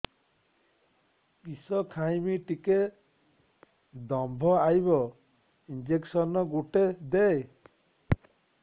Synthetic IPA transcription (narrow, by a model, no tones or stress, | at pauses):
pisɔkʰajmiʈike | d̪ɔmbʱɔajbɔ | ind͡ʒeksɔnɔɡuʈed̪ej